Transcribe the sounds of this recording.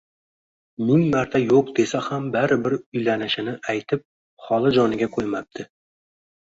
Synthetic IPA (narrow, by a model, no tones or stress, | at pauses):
mʊŋmaɾt̪ʰajoq̚d̪e̞sahambaɾɪbɪɾʊjlanɪʃɪnɪʔajt̪ʰɪp̚ | χɒlˠɪd͡ʒɒnɪɡʲakʰojmap̚t̪ʰɪ